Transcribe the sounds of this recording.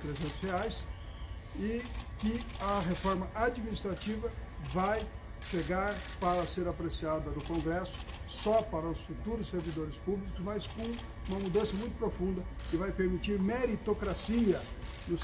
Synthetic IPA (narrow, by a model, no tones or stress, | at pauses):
t̪ɾezẽnt̪ʊ̥sheajs | ɪkɪɐɦefɔɾmɐʔad͡ʒminist̪ɾat͡ʃivɐvaj | ʃeɡaɾpaɾɐseɾapɾesiad̪ɐnʊkõŋɡɾɛsʊ̥ | sɔpaɾɐʊsfut̪uɾʊsːeɾvid̪oɾɪspublikʊzmɐskõ | ũmɐmud̪ɐ̃sɐmũj̃t̪ʊ̥pɾofũnd̪ɐkɪvajpeɾmit͡ʃiɾmeɾit̪okɾasiɐ | nʊs